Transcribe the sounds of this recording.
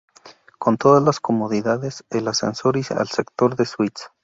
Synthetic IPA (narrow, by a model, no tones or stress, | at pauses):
ko̞nt̪o̞ðazlasko̞moðiðaðeselasḛnsoɾisa̰lsekt̪o̞ɾðeswit̪s